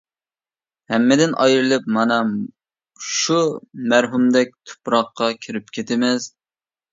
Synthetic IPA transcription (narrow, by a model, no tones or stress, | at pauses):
hɛmːɪd̪ɪnʔɑjɾɨlˠɨp̚mɑnɑ | ʃumæɾɦumd̪ɛk̚ʲt̪ʰʊ̥pɾɑqːɑkʲʰiɾɪp̚kʲʰet̪ʰɪmɪz